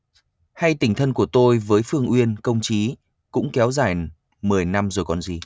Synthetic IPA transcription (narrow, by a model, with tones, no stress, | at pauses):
ha˧jt̪ï˧˩ŋ̟t̪ʰə˧nku˧˩ət̪o˧jvəː˨˦jfɨ˧əŋʔwi˧ənkə˧wŋ͡mt͡ɕi˨˦ | kʊ̰˧˥ŋ͡mkɛ˨˦wzaː˧˩j | mɨ˨˩əjna˧mzo˨˩jkɔ˨˩nzi˨˩